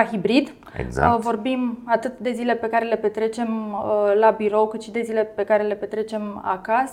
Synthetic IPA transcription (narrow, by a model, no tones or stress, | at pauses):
xibɾid̪ | ḛɡz̰vo̞rbimat̪ɨt̪d̪e̞zile̞pe̞kaɾe̞le̞pe̞t̪ɾe̞t͡ʃe̞məlabiɾo̞wkɨt̪ʃid̪e̞zile̞pe̞kaɾe̞le̞pe̞t̪ɾe̞t͡ʃe̞ma̰kas